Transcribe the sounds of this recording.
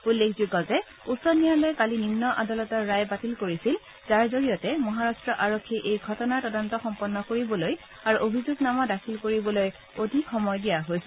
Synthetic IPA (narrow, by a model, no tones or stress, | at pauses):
ulːekʰzuɡɔzɛ | usɔnijalɔjkalinimnɔʔadalɔtɔɹːajbatilkoɹisil | zaɹzoɹijɔtɛmɔɦaɹastɹɔʔaɹokʰːiʔejɡʱɔtɔnaɹtɔdɔntɔxɔmpɔnːɔkoɹibɔloj | aɹuʔobʱizuɡnamɔdakʰilkoɹibɔloj | odʱixɔmɔjdijaɦojsɛ